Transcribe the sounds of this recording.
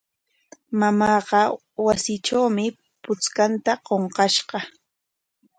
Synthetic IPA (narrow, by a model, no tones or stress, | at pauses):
mamɑːɢɑ | wasɪʈ͡ʂawmɪ | pʊt͡skant̪aqoɴqɑʃɢɑ